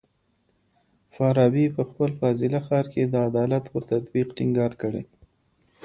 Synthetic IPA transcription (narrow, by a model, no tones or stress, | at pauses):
fɑɾɑbipəxpəlfazɪlaxɑɾkʰed̪əad̪ɑlat̪pəɾt̪at̪biqʈɪŋɡɑɾkəɽḛ